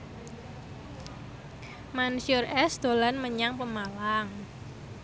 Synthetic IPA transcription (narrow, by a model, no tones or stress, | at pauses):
mansiʊrɛsd̪̥o̤lanməɲaŋpəmalaŋ